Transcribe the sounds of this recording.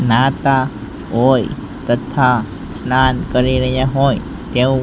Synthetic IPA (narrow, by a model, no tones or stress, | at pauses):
nat̪a | oj | t̪ət̪ʰa | snankəɾiɾəjaɦoj | t̪ew